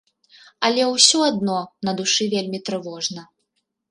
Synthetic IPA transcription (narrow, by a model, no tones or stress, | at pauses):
ɐlʲɛwsʲɔad̪̚nɔnɐd̪uʂɨvʲelʲmʲit̪ɾɨvɔʐnɐ